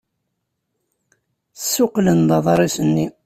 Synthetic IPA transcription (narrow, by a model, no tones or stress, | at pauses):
sːʊqlənd̪ˤɑðˤɾˤisənːi